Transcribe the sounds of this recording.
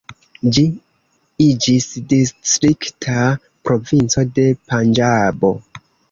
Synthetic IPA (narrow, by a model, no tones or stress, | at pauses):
d͡ʒi | id͡ʒisdistɾiktʰa | pɾo̞vint͡so̞de̞pand͡ʒabo̞